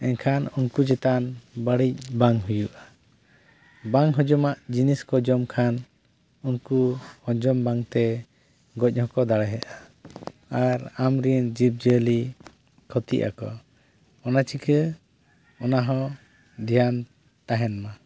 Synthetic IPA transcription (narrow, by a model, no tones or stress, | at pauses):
ɛɲkʰanunkud͡ʒɛt̪anbaɽic̚baŋɦujuʔa | baŋɦɔ̃d͡ʒɔmaʔd͡ʒiniskɔd͡ʒɔmkʰan | unkuhɔ̃d͡ʒɔmbaŋt̪ɛ | ɡɔc̚ˀhɔkɔd̪aɽɛɦɛʔa | aɾamɾind͡ʒip̚d͡ʒəli | kʰɔt̪ḭʔa̰kɔ̰ | ɔnat͡ʃʰikʰə | ɔnaɦɔ̃ | d̪ʱijan | t̪aɦɛnma